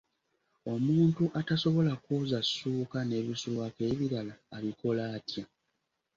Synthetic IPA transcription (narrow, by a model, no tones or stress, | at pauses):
o̞muːntuʔataso̞βo̞lakoːzasːuːkane̞ːβisulwake̞ːβiɾalaːβiko̞laːtja